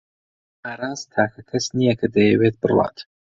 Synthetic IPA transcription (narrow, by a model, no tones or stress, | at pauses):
aːɾaːzt̪ʰaːkʰɐkʰɐsnijɐkʰɐd̪ɐjɛwet̪̚bɨrlˠɑ̰ːt̪